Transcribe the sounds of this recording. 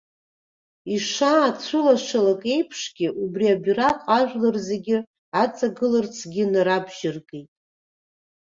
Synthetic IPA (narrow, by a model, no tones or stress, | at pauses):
iʂaːt͡sʷʰʊlaʂalakʼe̞jpʰʂɡʲɪʔubriabraqʼaʒᶣʷlɨrzeɡʲɪ | at͡sʼaɡɨlɨrt͡sʰɡʲɪnaɾabʒɪrkʼejtʼ